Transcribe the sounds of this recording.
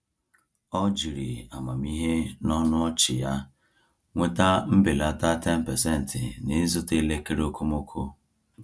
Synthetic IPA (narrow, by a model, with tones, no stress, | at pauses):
ɔ˦d͡ʒi˨ɾi˨a˨ma˨m˦i˦ɦe˦nɔ˦nʊ˦ɔ˦t͡ʃɪ˨ja˦ | ŋʷe˦ta˦m̩˦bɪ˨la˦ta˦te˦m̩˨pɛ˨se˦n̩˨tʰɪ˨ni˨˦zʊ˦te˦le˦ke˦ɾo˦ko˦mo˦kʰo˦